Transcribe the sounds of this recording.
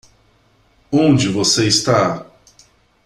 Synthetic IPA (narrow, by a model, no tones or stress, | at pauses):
õnd͡ʒɪvoseist̪a